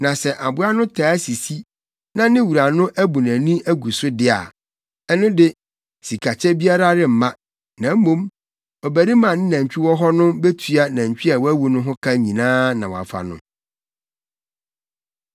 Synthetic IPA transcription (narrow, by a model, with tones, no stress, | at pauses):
nã˨sɛ˨ʔa˨bʊ˦a˦nʊ̃˦tʰa˨˦si˨si˦ | nã˦nɪ̃˦wu˨ɾa˨nʊ̃˦ʔæ˦bu˨nã˨nĩ˦ʔæ˦ɡu˨sʊ˦dɪ˦a̰˨ | ɛ˦nʊ̃˦dɪ˦ | si˨kʰa˨t͡ɕʰɛ˦bi˦a˦ɾa˦ɾɪ˦m̩˨mã˦ | nã˨m˦mõ˦m | ɔ˨bæ˨ɾi˦mã˨nɪ̃˦nã˨ɲ̩˨t͡ɕᶣi˦wɔ˦ɦɔ˦nʊ̃˦be˦tʰɥa˦nã˨ɲ˨t͡ɕᶣi˦a˨wɔ˦æ˦wu˨nʊ̃˦ɦʊ̃˦kʰa˦ɲĩ˨nãː˦nã˨wɔ˨a̰˨fa̰˨nʊ̰̃˦